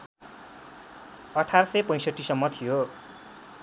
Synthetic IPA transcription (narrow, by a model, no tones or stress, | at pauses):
ʌʈʰarsʌjpʌj̃sʌʈʰːisʌmːʌt̪ʰijo